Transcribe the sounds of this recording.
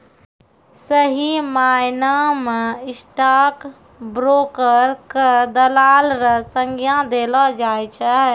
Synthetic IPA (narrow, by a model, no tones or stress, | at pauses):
səɦimajnameɪsʈak | bɾoːkəɾkəd̪əlaːlɾəsəŋɡijãd̪elɔd͡ʒaːjt͡ʃʰɛ